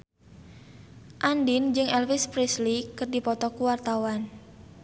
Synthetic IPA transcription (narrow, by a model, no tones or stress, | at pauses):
ʔandind͡ʒɨŋɛlfɪspɾislikərdipɔt̪ɔkuwart̪awan